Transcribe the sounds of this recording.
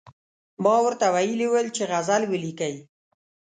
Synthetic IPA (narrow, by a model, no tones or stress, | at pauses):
mɑwəɾt̪awajəliwəlt͡ʃeɣazalwəlikaj